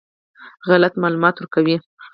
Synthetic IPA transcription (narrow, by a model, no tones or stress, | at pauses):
ɣalat̪mɑlumɑt̪wɾkawi